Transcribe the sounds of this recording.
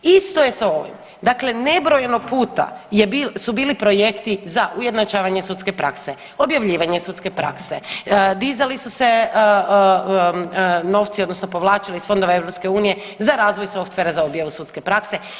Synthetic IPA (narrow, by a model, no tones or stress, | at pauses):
ist̪o̞je̞sao̞ʋḭm | d̪akle̞ne̞bɾo̞jenoɡ̚puːt̪a̰jebisubiːlipɾo̞je̞kt̪izaʔuje̞d̪nat͡ʃaːʋaɲesut̪ske̞pɾa̰kse | o̞bjaʋʎiːʋaɲesut̪ske̞pɾa̰ksed̪izalisuse̞ | no̞ʋt̪siod̪no̞sno̞po̞ʋlˠaːt͡ʃalisfo̞nd̪o̞ʋaevɾopske̞uːnije̞ | zaɾaːzʋojso̞ft̪ʋeɾazaobjaʋusut̪ske̞pɾakse̞